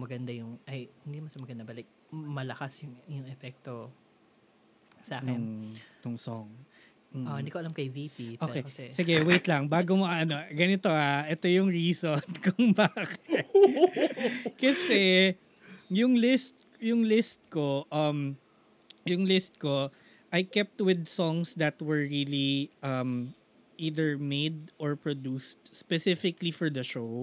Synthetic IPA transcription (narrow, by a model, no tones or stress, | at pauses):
mɐɡɐnd̪ajʊŋʔɐjŋɡɪmɐsɐmɐɡɐnd̪ɐbɐlɪk̚ | mɐlɐkasjʊŋjʊŋɛpɛk̚t̪o | saːkɛt̪ʊŋsoŋ̩ː | ʔõnd̪ikoɐlamkɐjvipipoːkejɐɛsɪɡɛwejt̪lɐŋbaːɡomoʔɐɐno̞ɡɐnɪt̪o̞ʔaʔɛt̪o̞jʊŋɹiːsonkʊŋbaːkɛ | kɐsɛ | jʊŋlɪst̪̚ | jʊŋlɪst̪̚koʔɐm | jʊŋlɪst̪̚ko | ʔajkɛp̚t̪wɪd̪̚sɔŋsd̪ɐt̪wɛɹɹiliʔɐm | ʔiːd̪ɛɹmejd̪̚ʔɔɹpɹod̪uːst̪̚spɛsɪfɪklifɔɹd̪ɐʃow